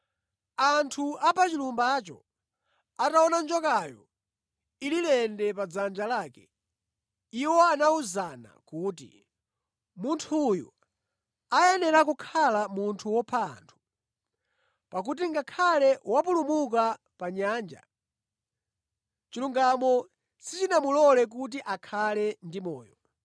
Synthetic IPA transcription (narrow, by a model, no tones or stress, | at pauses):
antʰuapʰat͡ʃilumbat͡ʃɔ̰ | ataɔnand͡ʒɔkajɔ̰ | ililɛndɛpad͡zand͡ʒalaːkɛ | iwɔanauzana̰kuːt̬ḭ | muntʰujṵ | ajɛnɛɾakukʰalamuntʰuwɔpʰa̰ːntʰu̥ | pak̬ut̬iŋɡakʰalɛwapulumuk̬a | paɲaːnd͡ʒa̰ | t͡ʃiluŋɡamɔ | sit͡ʃinamulɔlɛk̬ut̬iʔakʰalɛndimɔːjɔ